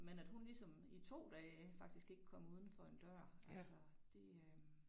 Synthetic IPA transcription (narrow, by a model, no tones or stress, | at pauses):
menæd̥hunlisɒ̽mit͡sʰo̝̰ːd̥ɛːfɑ̈ɡ̥̚d̥isɡ̥e̝ɡ̥əkʰːɒ̽m̰uːð̞ˠn̩fɒ̽e̝nd̥ɶɐ̰ælsɒd̥e̝ø